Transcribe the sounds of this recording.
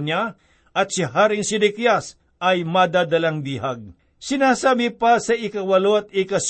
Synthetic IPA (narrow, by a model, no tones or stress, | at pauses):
ɲa | ʔɐt̪̚sɪɦaːɾɪŋsɪd̪ɪkjas | ɐjmad̪aːd̪ɐlaŋb̪iːɦaɡ̚ | sɪnaːsaːbɪpɐsɐʔɪkɐwɐloɐt̪̚ɪkɐs